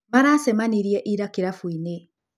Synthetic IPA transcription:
maɾasɛmaniɾjɛʔiɾakiɾafwine

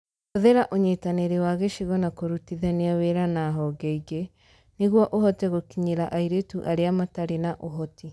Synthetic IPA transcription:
oðeɾaʔoɲetaneɾewaɣeʃiɣɔnakoɾutiðɛneaweɾanaɦɔɡɛiɡe | neɣwɔʔoɦɔtɛɣokiɲeɾaʔaiɾetuʔaɾeamataɾenaʔoɦɔti

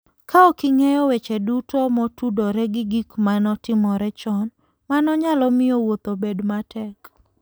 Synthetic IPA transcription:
kʰaɔkɪŋɛjɔwɛt͡ʃɛdutomɔtudoɾɛɡɪɡikmanɔtɪmɔɾɛt͡ʃɔn | manɔɲalɔmɪjowot̪obedmatʰɛk

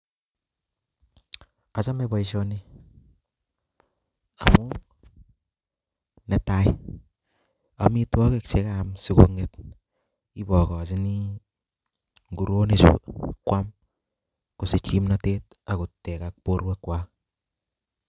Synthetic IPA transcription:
at͡ʃamebaiʃoni | amu | nɛtaj | a̰mitwɔkek̚t͡ʃekamsikoŋet̚ | ibɔkɔs̬ini | ŋɡuɾonisṵkwam | kusit͡ʃimnatet | akutːɛkak̚poɾwekwa

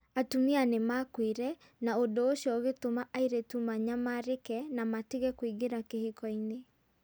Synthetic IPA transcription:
atumianemakwiɾɛ | naodooʃjɔɣetomaʔaiɾetumaɲamaɾekɛnamatiɣɛkwiɡeɾakehikɔine

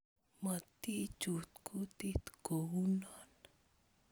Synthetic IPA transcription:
mət̪i̥t͡ʃut̪̚kʰut̪it̪ə̥ɡ̥owunɔn

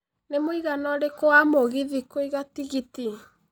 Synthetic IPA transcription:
nemoiɣanɔɾekoamoɣiðikoiɣatiɣiti

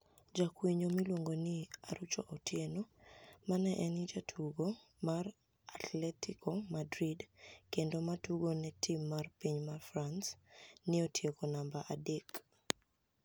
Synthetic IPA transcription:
d͡ʒakwiɲomilwoŋɡonɪaɾut͡ʃoʔɔtʰjenomanɛʔɛnɪd͡ʒatʰuɡo | mar | atʰlɛtikʰomadɾidkendomatuɡonɛtʰimːarpiɲmarfransnɪotʰjekonambaʔadek

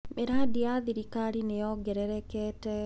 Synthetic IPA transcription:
meɾadiaðiɾikaɾinejɔɡɛɾɛɾɛkɛtɛ

